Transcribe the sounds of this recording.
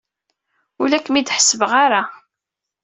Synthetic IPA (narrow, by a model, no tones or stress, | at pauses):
ulækːmid̪ħə̥səvəʁaɾa